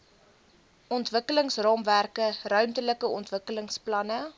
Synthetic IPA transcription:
ʔɔntvəkələŋsrɑːmværkərœɥmtələkəɔntvəkələŋsplɐnə

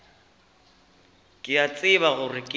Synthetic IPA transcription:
kʼɪat͡sʼɪβaɣʊrɪkʼɪ

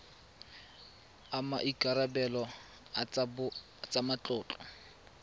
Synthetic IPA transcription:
ama̰ʔikʼaɾabɛlɔ | t͡sʼamat͡ɬʼʊːt͡ɬʼɔ̥

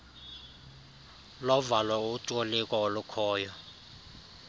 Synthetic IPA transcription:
lɔvalwautʼolikʼɔlukʰɔːjɔ

